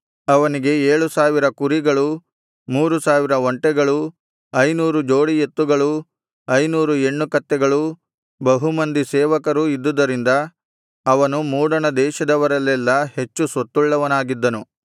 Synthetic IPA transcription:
ɐʋɐniɡe̞eːɭusaːʋiɾɐkuɾiɡɐɭu | muːɾusaːʋiɾɐʋoɳʈɛɡɐɭu | ɐjnuːɾud͡ʒo̞ːɽijet̪ːuɡɐɭu | ɐjnuːɾue̞ɳːukɐt̪ːɛɡɐɭu | bɐɦumɐnd̪isɛːʋɐkɐɾuid̪ːud̪ɐɾind̪ɐː | ʋɐnumuːɽɐnɐd̪ɛːʃɐd̪ɐʋɐɾɐlːɛlːɐhe̞t͡ʃːusot̪ːuɭːɐʋɐnaːɡid̪ːɐnu

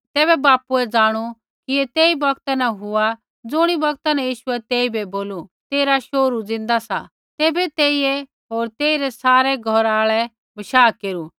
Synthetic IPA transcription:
t̪ɛːbɛbaːpuɛd͡zaːɽ̃u | kiet̪eːibɐkt̪anaɦʊa | d͡zʊɽ̃ibɐɡt̪anãjiːʃʊɛt̪eːibɛboːlut̪eːɾaʃoːɾud͡zɪ̃nd̪asa̰ | t̪ɛːbɛt̪eːiɛ | ɦoːɾt̪eːiɾɛsaːɾɛɡʱɔɾaːɭɛ | bɐʃaːkeːɾu

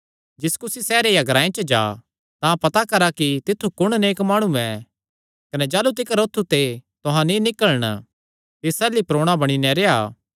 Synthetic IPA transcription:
d͡ʒɪskʊsisɛːɾejaɡɐɾãːẽt͡ʃəd͡ʒa̰ː | t̪ãpɐt̪akɐɾakit̪ɪt̪ʰːukʊɽ̃neːkmaːɽ̃uɛ | kɐnɛd͡ʒaːlut̪̬ɪkɾoːt̪ʰːut̪et̪oɦãnĩnɪkəlɽ̃ | t̪ɪsɛːlipɾoːɽ̃abɐɽ̃inɛɾeaː

